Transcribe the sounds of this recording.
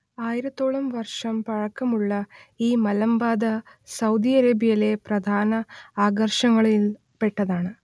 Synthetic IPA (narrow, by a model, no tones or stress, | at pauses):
aːjiɾɐt̪ːo̞ːɭɐmʋɐrʂɐmpɐɻɐkːɐmuɭːɐiːmɐlɐmbaːd̪ɐ | sɐwd̪iɐɾeːbijɐle̞prɐd̪ʱaːnɐaːɡɐrʂɐŋːɐɭil | pe̞ʈːɐðaːɳɨ